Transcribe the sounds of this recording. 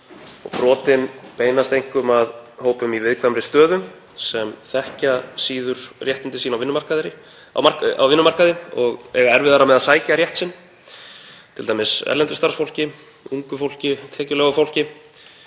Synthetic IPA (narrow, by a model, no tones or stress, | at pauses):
ɔ̰ɣpɾɔːt̪ɪnpeːjnast̪ejŋ̥kʏmaðhoːwpʏmivɪðkʰvamɾɪst̪œːðʏm | sɛmθɛhcasiːðʏɾ̥rjɛht̪ɪnt̪ɪsiːnawvɪnːʏmaɾ̥kaðɾɪ | aa̰wvɪnːʏmar̥kaðɪɔɣɛ̰ɣaɛɾvɪðaɾamɛðaðsaːjcaɾjɛht̪sɪnː | t̪ʰɪlajmɪsɛ̰ɾlɛnt̪ʏst̪aɾ̥sfowl̥cɪ | uŋkʏfowl̥cɪt̪ʰɛːcʏlɛːɣʏfowl̥cɪ